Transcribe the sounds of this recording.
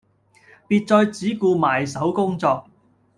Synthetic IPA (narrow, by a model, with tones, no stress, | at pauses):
piː˧t̚t͡sɔː˧jt͡siː˨˥kuː˧maː˨˩jsɐ˨˥wkʊ˥ŋt͡sɔː˧k̚